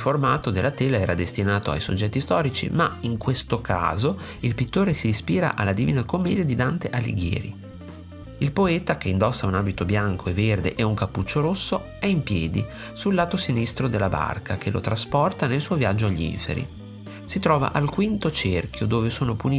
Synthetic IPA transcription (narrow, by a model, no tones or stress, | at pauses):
formaːt̪od̪elʔat̪ɛːlaɛːɾad̪est̪inaːt̪oa̰jso̰d͡ʒːɛt̪ːist̪ɔːɾit͡ʃḭmaiŋkwest̪okʰa̰ːzo | ilpit̪ːoːɾesiːspiːɾa̰ʔa̰lːad̪iviːnakomːɛːd̪jad̪id̪ant̪eʔalḭɡjɛ̰ːɾḭ | ilpoɛːt̪akeind̪ɔsːaunaːbit̪objaŋkʰoevːerd̪eʔɛuŋkapːut͡ʃːoɾosːo | ɛimpjɛːd̪i | sulːaːt̪osinist̪ɾod̪elːaba̰rkʰak̟elʔo̰t̪ɾaspɔrt̪anelsuːovjad͡ʒːoaʎːḭɱfḛɾḭ | sit̪ɾɔːva̰ʔalkwint̪ot͡ʃerk̟jod̪oːvesoːnopuni